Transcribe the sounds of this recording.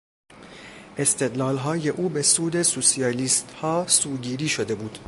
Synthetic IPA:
ʔe̞st̪ʰe̞d̪lɒːlɦɒːje̞ʔuːbesuːd̪e̞susiɒːliːst̪hɒːsuːɟiːɾiːʃo̞d̪e̞buːd̪̥

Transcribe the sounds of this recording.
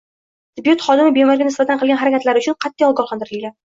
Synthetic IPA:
d̪ɪbjut̪χɒd̪ɪmɪbemɒɾɡʲanɪsbat̪ʰanqɨlˠɡʲanɦaɾakʲat̪laɾɪʊt͡ʃʰʊnqʰɑt̪ːijɒlˠɡɒlˠχɑnd̪ɪɾɪlɡʲan

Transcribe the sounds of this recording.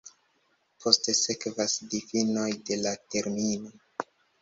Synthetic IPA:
pʰo̞stese̞kvasdifino̞jde̞late̞ɾmino̞

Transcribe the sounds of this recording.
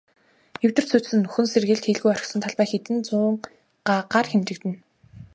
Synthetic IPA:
jɵw̥ʲt̪ɘ̆r̥sʰut̪sɘ̆nːɵxɵ̆nserɣɘ̆ɮt̪xeɮɣujɔrʲɞ̆ksɞ̆nt̪ʰaɮpæːxet̪ɘ̆nt͡sʊːɴ | ɢaɢarxemt͡ɕɘ̆k̚t̪ɘ̆n

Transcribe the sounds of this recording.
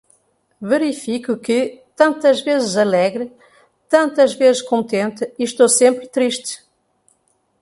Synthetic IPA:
vɨɾifikukɨt̪ɐ̃nt̪ɐʒvezɨzɐlˠɛɣɾɨ | t̪ɐ̃nt̪ɐʒvezɨʃkõnt̪ẽnt̪ɨiʃt̪osẽmpɾt̪ɾiʃt̪ɨ̥

